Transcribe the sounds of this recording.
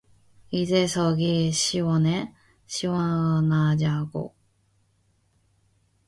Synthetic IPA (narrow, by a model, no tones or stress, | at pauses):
izesoɡiɕiwone | ɕiwaɯnad͡ʑaɡo̰